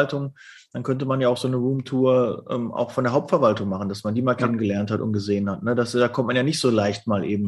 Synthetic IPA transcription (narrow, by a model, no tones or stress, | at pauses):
ltʊŋ | d̥ankʰœntəmanjaːaʊxz̥oːnəʁuːmtʰuːɐʔɛ̰ːmʔa̰ʊxfɔndeɐɦaʊp̚tfɛɐvaltʊŋmaχn̩dasmandiːmaːlkʰɛnənɡəlɛɐnthatʊ̰nt̚ɡ̥əzeːənhatnədasd̥aːkʰɔmt̚manjaːnɪçtz̥oːlaɪçtmaːlʔeːbm̩